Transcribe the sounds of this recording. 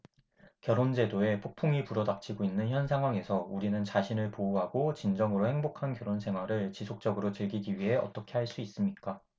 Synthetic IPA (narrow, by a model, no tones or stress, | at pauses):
kjʌɾond͡ʑe̞doe̞pʰok̚pʰuŋipuɾʌdap̚t͡ɕʰiɡoinːɯnçjʌnsʰaŋɦwaŋe̞sʰʌuɾinɯnt͡ɕaɕʰinɯɭpouɦaɡot͡ɕind͡ʑʌŋɯɾohe̞ŋbokʰankjʌɾonsʰe̞ŋɦwaɾɯɭt͡ɕisʰok̚t͡ɕ͈ʌɡɯɾot͡ɕɯɭɡiɡiɥiɦe̞ʌ̰t͈ʌkʰe̞haɭs͈uis͈ɯmɲik͈a